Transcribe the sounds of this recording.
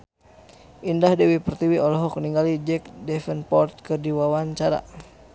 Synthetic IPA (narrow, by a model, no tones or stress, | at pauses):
ʔindahdɛwipərt̪iwiɔlɔɦɔk̚niŋɡalid͡ʒɛk̚dɛfənpɔrt̪̚kɨrdiwawaɲt͡ʃaɾa̰